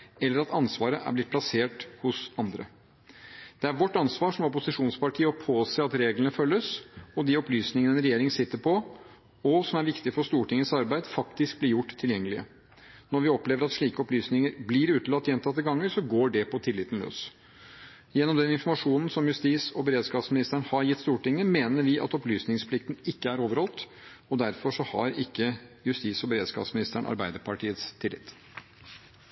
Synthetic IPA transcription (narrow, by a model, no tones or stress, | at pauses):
ɛlːəɾɑt̪ɑnsʋɑːɾəʔæ̰ɾblɪt̪̚ʰlɑseːʈhʊsɑnd̪ɾə̰ | d̪̥ɛæɾʋɔʈːɑnsʋɑːʂɔmɔpʊsɪʂuːnspɑʈʰiːəɔpʰoːseːɑt̪ɾeːɡlənəfœlːəsɔd̪iɔplyːsnɪŋənəɛnɾɛjeːɾɪŋsɪt̪ːəpʰɔ | ɔsɔmæɾʋɪkt̪ɪfɔɾʂt̪uːʈɪŋːəsɑɾbæɪd̪fɑkt̪ɪsk̚blɪɾjʊʈːt̪ʰːɪljɛŋːəlɪə̰ | nɔɾʋɪɔpleːʋəɾɑt̪ʂɭiːkəɔplyːsnɪŋəɾblɪɾʉːt̪lɑt̪ːjɛnt̪ʰɑt̪ːəɡɑŋːəɾʂɔɡoːɖɛpʰɔt̪ʰɪlːɪt̪n̩lø̰ːs | jɛnːɔmd̪ɛnɪnfɔɾmɑʂuːnn̩sɔmjʉst̪iːsɔbɛɾeːd̪skɑːpsmɪnɪst̪əɳhɑɾjɪt̪ːst̪uːʈɪŋːəmeːnəɾʋɪʔɑ̰t̪ɔplyːsnɪŋspʰlɪkt̪n̩ɪkːəæɾoːʋəɾhɔlˠt̪ | ɔd̪æɾfɔʂɔhɑ̰ɾɪkːəjʉst̪iːsɔbɛɾeːd̪skɑ̰ːpsmɪnɪst̪æɳɑ̰ɾbæɪd̪əɾpʰɑʈiːət̪st̪ʰɪlːɪ̰t̪ː